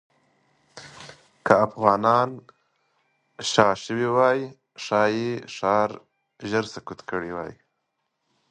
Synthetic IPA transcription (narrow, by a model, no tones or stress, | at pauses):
kəafɣɑnɑn | ʃɑʃəwiwɑji | ʂɑjeʂɑɾ | ʒəɾsakut̪kəɽiwɑ̰ːjḭ